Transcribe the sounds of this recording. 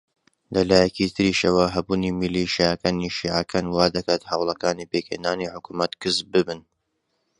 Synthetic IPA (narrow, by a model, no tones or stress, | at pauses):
lɐlaːjɛkit̪ʰɨɾiʃɐwɐɦɐbuːnimiliʃiakaniʃiːʕakʰanwaːd̪ɐkaːt̪hawlˠɐkaːnipeːkʰḛnaːniħʊkumɐt̪kɨsbɨbɨn